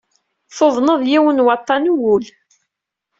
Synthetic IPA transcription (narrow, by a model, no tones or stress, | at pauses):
θoðˤnəðˤjiwənwɑt̪ˤːɑnuwʊl